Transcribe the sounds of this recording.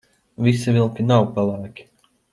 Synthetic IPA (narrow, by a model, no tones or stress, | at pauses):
visivʲilˠkʲinawpalˠaːkʲi̥